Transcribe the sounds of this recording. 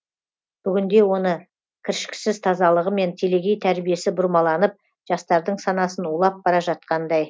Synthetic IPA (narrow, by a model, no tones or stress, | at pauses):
b̥ʏɡʲɪnd̪e̞wo̞nə | kʲʰɪɾʃɪ̥kʲɪ̥sɪzt̪ʰɑzɑlˠəʁəme̞nt̪ʰe̞le̞ɡʲejt̪ʰæɾbije̞sɪbʊɾmɑlˠɑnəp̚ | ʒ̥ɑst̪ɑɾd̪əɴsɑnɑsənulˠɑp̚bɑɾɑʒɑt̪̚qɑnd̪ɑj